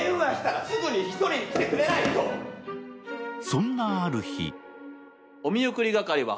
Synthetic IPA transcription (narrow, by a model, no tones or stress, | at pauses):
jɯɡaɕi̥t̪aɾasɨɡɯɲ̟içi̥t̪o̞ɾʲiɲikʲi̥t̪ekɯ̟ɾe̞nait̪o | sõ̞nːaːɾɯ̟çḭ | o̞mʲiɯkɯ̟ɾʲiɡakaɾʲiβa̰